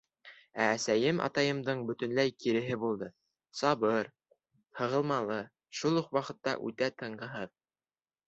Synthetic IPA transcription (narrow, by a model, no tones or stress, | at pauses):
æːsæjɘmʔɑ̰t̪ɑjɤ̆md̪ɤɴbɵ̆t̪ɵ̆nlæjkiɾɘ̆ɦɘbulˠd̪ɤ | sɑβɤɾ | hɤ̆ʁɤ̆lˠmɑlˠɤ | ʃulˠuqwɑqɤ̆t̪ːɑ̰ʔʉ̰t̪æt̪ɤ̆ɴɢɤ̆ɦɤð